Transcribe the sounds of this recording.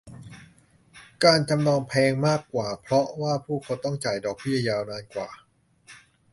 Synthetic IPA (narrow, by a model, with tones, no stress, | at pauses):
kaː˧nt͡ɕa˧mnɔː˧ŋpʰɛː˧ŋmaː˥˩kːwaː˨˩pʰɾɔ˦˥waː˥˩pʰuː˥˩kʰa˦˥wt̪ɔ˥˩ŋt͡ɕaː˨˩jdɔː˨˩k̚bi˥˩ɐjaː˧wnaː˧nkwaː˨˩